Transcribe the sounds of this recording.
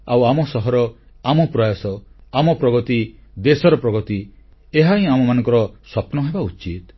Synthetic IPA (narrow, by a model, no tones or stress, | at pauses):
awamɔsɔɦɔɾɔ | amɔpɾɔjɔsɔamɔpɾɔɡɔt̪id̪esɔɾɔpɾɔɡɔt̪i | eɦaĩamɔmanɔ̃ŋkɔɾɔswapnɔɦebaut͡ʃit̪